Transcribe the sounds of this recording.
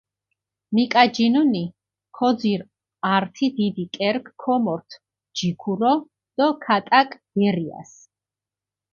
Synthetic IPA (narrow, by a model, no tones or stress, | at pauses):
mikʼad͡ʒinuni | kʰɔd̪ziɾ | aɾt̪ʰid̪id̪ikʼɛɾkʰːɔmɔɾt̪ʰ | d͡ʒikʰuɾɔ | d̪̥ɔkʰat̪ʼakʼb̥ɛɾia̰s